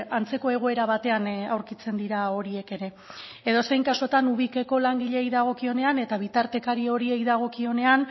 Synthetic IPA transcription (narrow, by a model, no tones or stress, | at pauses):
ant͡se̞ko̞e̞ɣ̞o̞e̞ɾaβat̪e̞anawɾkit͡se̞nd̪iɾao̞ɾie̞ke̞ɾe̞ | eðo̞sejŋkaso̞t̪anuβike̞ko̞laŋɡiʎe̞ːjðaɣ̞o̞kio̞ne̞ane̞t̪aβ̞it̪aɾt̪e̞kaɾio̞ɾiejðaɣ̞o̞kio̞ne̞an